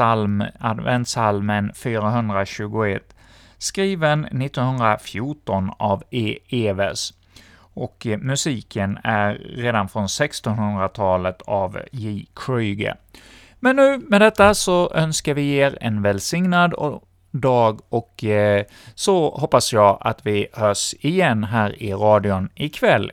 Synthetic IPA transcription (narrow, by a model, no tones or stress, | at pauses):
almad̪vɛ̰nt̪salmənfyːɾaɦɵnd̪ɾaɕʉ̟ːɡʊɛt̪ː | skɾiːvənːɪt̪ːɔnhɵnd̪ɾafjʊʈɔnaveːeːvɛs | ʔɔkmɵsiːkʰənæɾːeːd̪anfɾɔnsɛkst̪ɔnɦɵnd̪ɾat̪ʰɑːlət̪ʰavjiːkʰɾyɡə̰ | mɛnːʉ̟ːmɛd̪ɛt̪ːasɔʔœnskaɾvɪeːɾɛ̰nvɛlsɪŋnad̪ | d̪ɑːɡɔk | sɔhɔpːasjɑːa̰t̪vɪhœːʂɪjɛnːɦæːɾɪɾɑːd̪ɪʊnɪkʰvɛlː